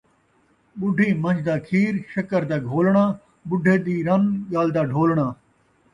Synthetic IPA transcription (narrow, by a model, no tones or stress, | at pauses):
ɓʊɖʱiːmə̃nd͡ʒd̪aːkʰiːɾʃəkəɾd̪aːɡʱoːlɳaː | bʊɖʱːeːd̪iːɾənɠaːld̪aːɖʱoːlɳ̃aː